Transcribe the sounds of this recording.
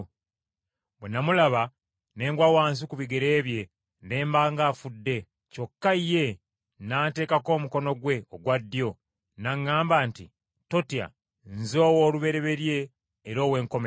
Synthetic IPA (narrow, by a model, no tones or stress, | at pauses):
bwenamulaβa | ne̞ːŋɡwawaːns̬ikuβiɡe̞ɾe̞ːβje̞ | nde̞ːmbaːŋɡaːfudːe̞ | co̞kːaije̞ | naːte̞ːkako̞ːmuko̞no̞ɡwe̞oɡwadːjo̞ | naŋːaːmbaːntḭ | to̞tja̰ | nzo̞ːwoːluβe̞ɾe̞βe̞ɾje̞ː | ɾo̞ːwe̞ːŋko̞me